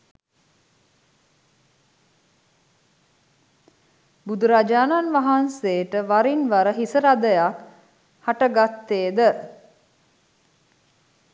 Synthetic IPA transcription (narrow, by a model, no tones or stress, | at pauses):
bud̪uɾad͡ʒaːnanʋaɦanseːʈəʋaɾinʋaɾəɦisəɾad̪əjak | haʈəɡat̪ːeːd̪ə